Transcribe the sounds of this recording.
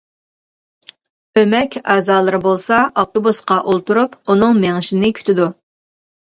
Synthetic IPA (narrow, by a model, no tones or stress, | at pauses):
ømɛkʲæːzɑːlˠɨɾɨbolˠsɑʔof̚t̪obusqɑʔolˠt̪uɾupunɨŋmeŋɪʃɪnɪkʲʰy̥t̪ʰɪd̪u